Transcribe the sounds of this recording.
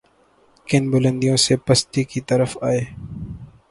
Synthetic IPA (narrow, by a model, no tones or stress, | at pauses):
kɪnbʊlə̃nd̪ijõsepɐst̪ikit̪ɐɾəfaːeː